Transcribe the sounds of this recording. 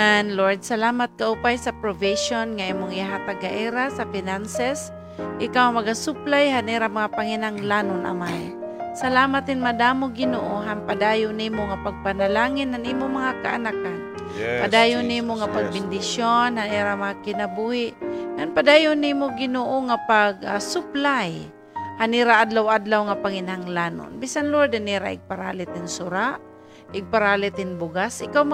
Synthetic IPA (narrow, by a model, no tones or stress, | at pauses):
anloɹd̪̚salaːmat̪̚kaʔupajsapɾoviʃonŋaimʊŋjaɦat̪aɡaʔiɾasafɪnansɛs | ʔɪkawmɐɡasʊplajhaniɾamaŋapaŋɪnaŋlanʊnʔa̰maj | salaːmat̪hɪnmad̪amʊɡɪnoʔoɦanpad̪ajʊnimoŋapaɡ̚panalaːŋɪnhanʔimʊmɐŋaka̰ʔa̰nakan | pad̪aːjʊnimoŋapaɡ̚bɪnd̪ɪʃjonhaniɾamaŋakɪnabuhɪʔŋanpad̪aːjʊnimoɡɪnoːʔoŋapaɡasʊplaj | haniɾaʔad̪lawad̪lawŋapaŋɪnhaŋlano̰nbisanlʊad̪ɪniɾa̰ʔɪɡ̚paɾa̰ːlɪt̪ɪnsʊɾaʔ | ɪɡ̚paɾaːlɪt̪hɪnbʊɡasʔɪkawm